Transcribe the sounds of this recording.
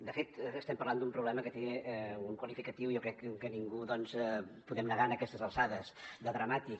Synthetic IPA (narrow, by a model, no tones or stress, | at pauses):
d̪əfet̪ːst̪ɛmpərland̪umpɾuβlɛməkət̪eɛuŋkwəlifikət̪iwijɔkɾɛkkəniŋɡuðɔnzɛpuðɛmnəɣaənəkɛst̪əzəlˠsaðəzd̪əðɾəmat̪ik